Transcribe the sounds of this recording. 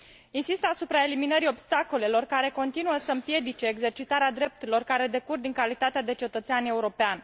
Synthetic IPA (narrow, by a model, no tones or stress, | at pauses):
insist̪asupɾae̞liminəɾio̞bst̪ako̞le̞lo̞rkaɾe̞ko̞nt̪inuəsəɨmpje̞d̪it͡ʃe̞ːɡze̞rt͡ʃit̪aɾead̪ɾe̞p̚t̪uɾilo̞rkaɾe̞d̪e̞kurd̪iŋkalit̪at̪ead̪e̞t͡ʃe̞t̪ət̪seanʲe̞uɾo̞peanʲ